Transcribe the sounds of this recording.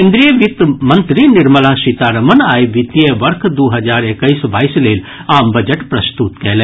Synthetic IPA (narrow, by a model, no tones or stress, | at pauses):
eːnd̪ɾijəʋit̪mɐnt̪ɾinɪɾməlaːʃit̪aːɾɐmɐnaːjʋit̪ijeʋɐɾkʰd̪uːɦɐd͡ʒaːɾekɐisbaːisleːl | aːmbɐd͡ʒɐʈpɾɐst̪ut̪kɛːle